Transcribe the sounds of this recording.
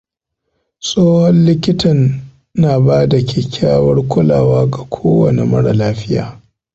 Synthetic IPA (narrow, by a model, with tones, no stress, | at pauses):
sʼoː˦hɔ˦nlɪ˦kʲɪ˦tɐ˨nː | aː˨baː˦da˨kʲɪ˨kʲaː˦wɐ˦rkʷʊ˦laː˨waː˦ɡa˨kʷʰoː˦wɐ˨ne˨mɐ˦ɽa˨laː˦ɸɪ˦ja̰ː˨